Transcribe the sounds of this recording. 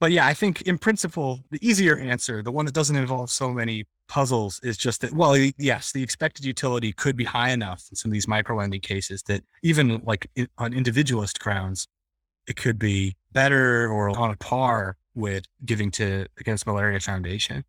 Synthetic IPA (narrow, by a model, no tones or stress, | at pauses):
b̥ʌt̚jæaɪθɪ̃ŋkʰɨ̃npʰɹ̥ɪ̃nsɨpʰl̩ˠðiʔiziə˞ʔæ̃nsə˞ðəwʌ̃nðət̚d̥ʌz̃n̩tɨ̃ɱvɑlˠv̥soʊmɛɾ̃i | pʰʌzl̩ˠz̥ɪzd͡ʒʌst̪̚ðɨt̚wɛlˠjɛsðiɨkspɛk̚tɨdjʉtʰɪlˠəɾikʰɨd̚bihaɪɨnʌfn̩sʌ̃mʌvðizmaɪkɹ̥oʊlɛ̃ndɪ̃ŋkʰeɪsɨzðɨɾ | ivɨ̃nlaɪkə̃nɪ̃ndɨvɪd͡ʒɨwl̩ˠəsɡ̥ɹãʊ̃ndz̥ | ɨt̚kʰɨd̚bib̥ɛɾə˞ə˞ə̃nəpʰɑɹ | wɪðɡɪvɪ̃ŋtʰɨɨɡɛ̃nst̚məlɛɹiɨfãʊ̃ndeɪʃɨ̰̃n